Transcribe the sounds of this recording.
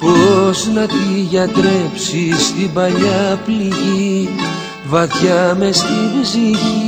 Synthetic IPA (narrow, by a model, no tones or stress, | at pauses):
poznɐt̪iʝɐt̪ɾe̞psist̪ibɐʎɐpliʝi | vɐθçɐmest̪ivziʝi